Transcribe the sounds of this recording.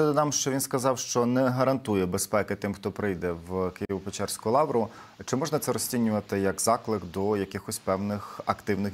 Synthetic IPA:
ɛd̪ɔnɑmʃt͡ʃɔʋʲinskɐzɑwʃt͡ʃɔnɛɦɐɾɐnt̪ujɛbespɛkɪt̪ɪmxt̪ɔpɾɪjd̪ɛwkɪjjiʋʊpet͡ʃɛrsʲkʊʊlˠɑwɾʊ | t͡ʃɪmɔʒnɐt̪sɛɾɔsʲtʲinʲːʊʋɐt̪ɪjɐkzɑklˠɪkd̪ɔjɐkʲɪxɔsʲpɛwnɪxɐkt̪ɪwnɪx

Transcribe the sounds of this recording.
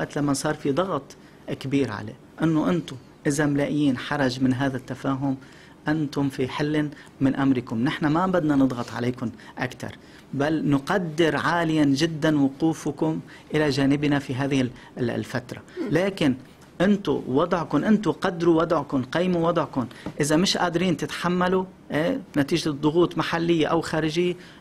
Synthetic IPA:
waʔt̪lamːasˤɑːɾˤfid̪ˤɑɣt̪ˤ | kabiːɾʕa̰la̰ | ʔɪnːoʔɪnt̪ʊ | ʔɪzamlaːʔɪjːiːnħɑɾˤɑʒmɪnɦaːðat̪ːafaːɦʊm | ʔant̪ʊmfiħɪlː | mɪnʔamɾɪkʊmnɪħnamabad̪nanɨd̪ˤɣɑt̪ˤʕa̰leːkʊnʔakt̪ɑ̰ɾˤ | balnʊqɑd̪ːɪɾʕaːlɪjanʒɪd̪ːanwʊquːfʊkʊm | ʔɪlaʒaːnɪbnafiɦaːðɪhɪ̰ | lfat̪ɾˤa̰laːkɪn | ʔɪnt̪ʊ̰wɑd̪ˤʕkʊnʔɪnt̪ʊqɑd̪ːɾuwɑd̪ˤʕkʊnqijmuwɑd̪ˤʕkʊnʔɪzamɪʃʔa̰ːd̪ɾiːnt̪ɪt̪ħamːalu | ʔeːnat̪iːʒd̪ˤʊɣuːt̪ˤmaħalːɪjːaʔawxaːɾɪʒɪjːa

